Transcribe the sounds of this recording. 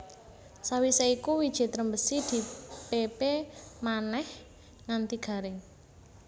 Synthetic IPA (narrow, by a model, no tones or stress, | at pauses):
sawiseikuwid̥ʒ̥i̤t̪ɾəmbəsid̪̥i̤pepemanɛh | ŋant̪iɡ̥a̤ɾe